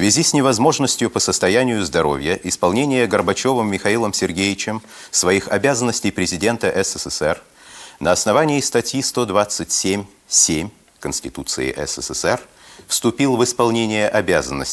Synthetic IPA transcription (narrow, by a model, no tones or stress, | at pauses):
svʲɪzʲisʲnʲɪvɐzmo̞ʐnəsʲtʲjʊpəsəst̪ɐjænʲɪjʊzd̪ɐɾo̞̰vʲjəʔɪspɐlˠnʲenʲɪjəɡərbɐt͡ɕo̞vəmːʲɪxɐilˠəmsʲɪrɡʲejɪt͡ɕɪm | svɐixɐbʲazənːəsʲtʲɪjpɾʲɪzʲɪdʲe̞nt̪əʔɛsɛsɛsɛr | nəɐsnɐvanʲɪːst̪ɐtʲjist̪o̞d̪vat̪sɨtʲsʲemʲ | sʲemʲ | kənsʲtʲɪt̪ut̪sɨ̰ɪ̰ʔɛ̰sɛsɛsɛr | fst̪ʊpʲilˠvɨspɐlˠnʲenʲɪjəʔɐbʲazənːə̰sʲtʲ